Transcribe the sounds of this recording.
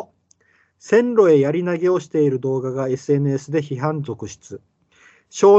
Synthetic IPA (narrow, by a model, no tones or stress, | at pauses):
sẽ̞nɾo̞e̞jaɾʲinaɡe̞o̞ɕi̥t̪e̞iɾɯ̟d̪o̞ːɡaɡae̞sɨe̞nɯ̟esɨd̪e̞çiɦãnd͡zo̞kɯ̟ɕi̥t͡sɨ | ɕo̞ː